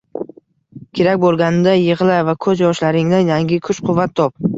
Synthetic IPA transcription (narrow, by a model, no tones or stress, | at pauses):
kʲʰe̞ɾakʲbolˠɡʲanɪd̪ajɨʁlˠavakʰɵzjɒʃlaɾɪŋnɪjaŋɡʲɪkʰʊʃqʰʊvːat̪ʰːɒp̚